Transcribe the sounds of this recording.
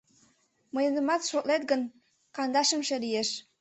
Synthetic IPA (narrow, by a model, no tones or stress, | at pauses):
mɤ̆jɤ̆nɤ̆mɑt̪ʃot̪let̪ɡə̆n | kɑnd̪ɑʃə̆mʃĕlijeʃ